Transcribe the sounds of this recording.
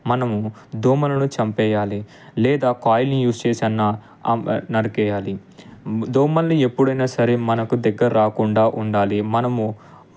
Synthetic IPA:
mɐnɐmu | d̪oːmɐlɐnut͡ʃɐmpɛːjaːli | lɛːd̪aːkaːjlnijuːst͡ʃeːsɐnːaː | nɐɾɐkɛːjaːli | d̪oːmɐlnie̞pːuɽɐjnaːsɐɾemɐnɐkud̪ɐɡːɐɾɐɾaːkuɳɖaːʔuɳɖaːlimɐnɐmu

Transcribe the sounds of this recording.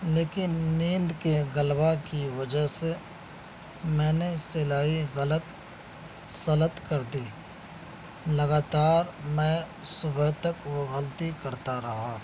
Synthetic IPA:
leːkɪnːĩːnd̪keɡəlbakiʋəd͡ʒəɦse | mɛ̃ːneselaːiɣələt̪̚ | sɐlət̪kəɾd̪iː | lɐɡaːt̪aːɾmɛ̃ | sʊbəɦt̪əkʋoɣəlt̪ikɐɾt̪aɾɐɦaː

